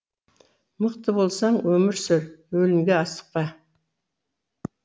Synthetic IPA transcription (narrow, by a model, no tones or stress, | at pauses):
məqt̪əbo̞lˠsɑɴwɵmɪɾsɪɾwɵlɪmɡʲe̞ɑst̪ə̥q̚pɑ